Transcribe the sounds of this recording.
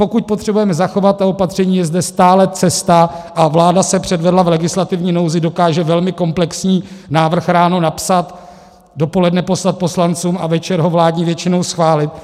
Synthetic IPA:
po̞kuc̚pot̪r̝̥ɛbujɛmɛzaxo̞vat̪̚t̪ːao̞pat̪r̝̥ɛɲiːjɛzdɛst̪aːlɛt͡sɛst̪aʔavlaːdasɛpr̝̥ɛdvɛdlavlɛɡɪslat̪ɪvɲiːno̞wzɪdo̞kaːʒɛvɛlmɪko̞mplɛksɲiːnaːvr̩xɾaːnonapsat̪ | do̞po̞lɛdnɛpo̞slat̪̚po̞slant͡suːmavɛt͡ʃɛɾɦo̞vlaːdɲivjɛt͡ʃɪno̞wsxvaːlɪt̪̚

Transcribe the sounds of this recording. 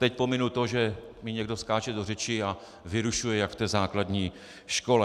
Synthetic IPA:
t̪ɛc̚po̞mɪnut̪o̞ʒɛmɪɲɛɡ̚do̞skaːt͡ʃɛdorɛt͡ʃɪa | vɪɾuʃujɛjakft̪ɛːzaːkladɲiː | ʃko̞lɛ

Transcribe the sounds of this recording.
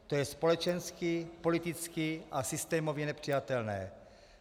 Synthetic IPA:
t̪o̞jɛspo̞lɛt͡ʃɛnskipo̞lit̪ɪt͡skiʔasɪst̪ɛːmovjɛnɛpr̝̥ijat̪ɛlnɛ̰ː

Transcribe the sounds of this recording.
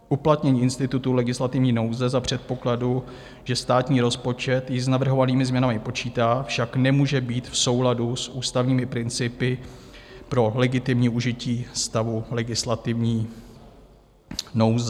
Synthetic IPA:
ʔuplat̪ɲɛɲiːʔɪnst̪ɪt̪ut̪ulɛɡɪslat̪ɪvɲiːno̞wzɛzapr̝̥ɛt̪̚po̞kladu | ʒ̥ɛst̪aːt̪ɲiːɾo̞spo̞t͡ʃɛt̪jɪznavr̩ɦovaniːmɪzmɲɛnamɪpo̞t͡ʃiːt̪aːfʃaknɛmuːʒɛbiːt̪fso̞wladusʔuːst̪avɲiːmɪpɾɪnt͡sɪpɪ | pɾo̞lɛɡɪt̪ɪmɲiːʔuʒɪciːst̪avulɛɡɪslat̪ɪvɲiː | nowzɛ

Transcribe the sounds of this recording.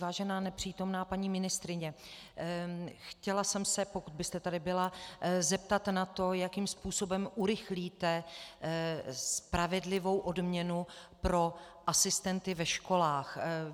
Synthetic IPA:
vaːʒɛnaːnɛpr̝̥iːt̪o̞mnaːpaɲiːmɪnɪst̪ɾɪɲɛ | xcɛlasɛmsɛpo̞kud̪̚bɪst̪ɛt̪adɪbɪlazɛpt̪at̪nat̪o̞jakiːmspuːso̞bɛmʔuɾɪxliːt̪ɛ | spɾavɛdlɪvo̞wʔo̞dmɲɛnupɾo̞ʔasɪst̪ɛnt̪ɪvɛʃko̞laːx

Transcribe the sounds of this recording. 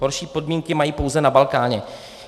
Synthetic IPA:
ɦo̞ɾʃiːpo̞dmiːŋkɪmajiːpo̞wzɛnabalkaːɲɛ

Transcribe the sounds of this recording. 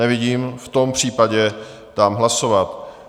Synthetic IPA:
ɛvɪɟiːmft̪o̞mpr̝̥iːpaɟɛ | d̪̥aːmɦlaso̞vat̪

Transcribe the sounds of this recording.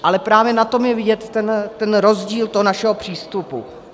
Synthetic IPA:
ʔalɛpɾaːvjɛnat̪o̞mjɛvɪɟɛt̪ːɛnt̪ɛnɾo̞zɟiːlt̪oɦonaʃɛɦo̞pr̝̥iːst̪upṵ

